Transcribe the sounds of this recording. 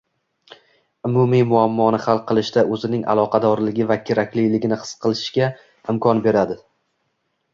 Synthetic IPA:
ʊmʊmijmʊamːɒnɪχalˠqʰɨlˠɪʃt̪aʔɵzɪnɪŋʔa̰lˠɒqʰɑd̪ɒɾlɪɡʲɪvakʲʰeɾakʲlijlɪɡʲɪnɪχɨ̥sqʰɨlˠɪʃɡʲa | ɪmkʰɒnbe̞ɾad̪ɪ

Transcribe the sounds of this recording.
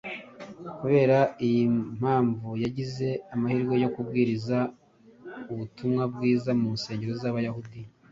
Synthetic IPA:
kuβe̞ːɾaijim̥aːɱvujaɟize̞amahiɾɡwe̞jo̞kubɡiːɾiza | uβutumŋabɡiːzamuːnse̞ːɲɟe̞ɾo̞zaːβajahudi

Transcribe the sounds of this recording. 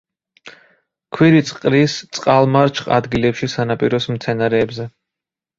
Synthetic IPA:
kʰwiɾit̪sʼqʼɾist̪sʼqʼalˠmaɾt͡ʃʰχʼa̰d̪ɡilɛpʃisanapʼiɾɔsmt̪sʰɛnaɾɛːbzɛ

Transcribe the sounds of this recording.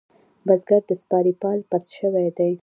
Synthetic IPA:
bazɡaɾd̪əspɑɾipɑlpasʃəwajd̪aj

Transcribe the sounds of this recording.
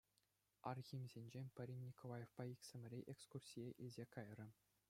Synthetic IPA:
ɑrɣʲimʲzʲenʲd͡ʑenʲpʲɘ̆ɾʲinʲːikolˠɑjefpɑikʲsʲɘ̆mʲɘ̆ɾʲeʔekskursʲijeʔilʲzʲekɑjrɤ̆

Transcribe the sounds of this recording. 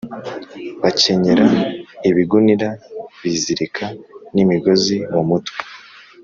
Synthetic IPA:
βace̞ɲeɾaiβiɡuniɾaβiziɾikʰanimiɡo̞zimumuta

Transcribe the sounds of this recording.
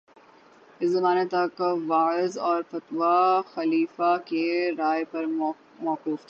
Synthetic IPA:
ɪszɐmaːnet̪ɐkʋaːzɔːɾfɐt̪ʋaxɐliːfakeɾaːepɐɾ | mɔːquːft̪ʰː

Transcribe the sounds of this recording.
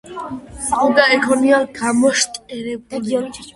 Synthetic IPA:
ɔd̪aɛkʰɔnialɡamɔʃt̪ʼqʼɛɾɛbuli

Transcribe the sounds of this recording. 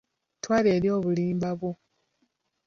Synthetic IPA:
twaːleːɾjo̞ːβuliːmbaβwo

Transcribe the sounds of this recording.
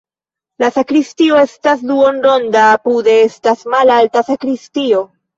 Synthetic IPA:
lasakɾistio̞e̞stasduo̞nɾo̞ndaːpude̞estasmalaltasakɾistio̞

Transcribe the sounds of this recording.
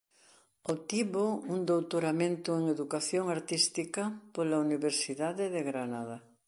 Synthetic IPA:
ot̪iβound̪owt̪oɾamẽnt̪ʊeŋeðukaθjoŋaɾt̪ist̪ikapolauniβeɾsiðaðeðeɣɾanaða

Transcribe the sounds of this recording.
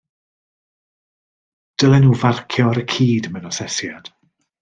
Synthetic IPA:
d̥əlɛnuvarkʰjɔɾəkʰiːdmɛnɔsɛsjad̥

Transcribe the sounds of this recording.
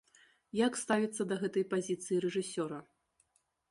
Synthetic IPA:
jakst̪avʲit̪sːɐd̪ɐɣɛt̪ɐjpazʲit̪sɨjiɾɛʐɨsʲɔɾɐ

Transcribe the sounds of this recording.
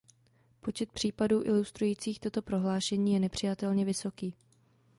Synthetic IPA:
po̞t͡ʃɛt̪̚pr̥iːpaduːʔɪlust̪ɾujiːt͡siːxt̪o̞t̪o̞pɾo̞ɦlaːʃɛɲiːjɛnɛpr̝̥ɪjat̪ɛlɲɛvɪso̞kiː

